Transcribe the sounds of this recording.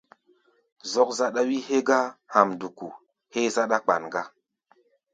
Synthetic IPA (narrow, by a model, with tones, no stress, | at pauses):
zo˦k̚za˦ɗa˦wi˦he˦ɡa˦ha˨mdu˨kṵ˨ | he˦za˦ɗa˦k͡pa̰˨nɡa˦